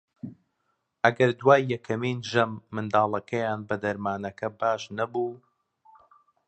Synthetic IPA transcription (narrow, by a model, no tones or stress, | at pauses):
ʔɐɡɐɾd̪waːjːɛkʰɐmiːnʒɐmːɨnd̪ɑːlˠɐkʰɐjaːnbɐd̪ɐɾmaːnɐkʰɐbaːʃnɐbuː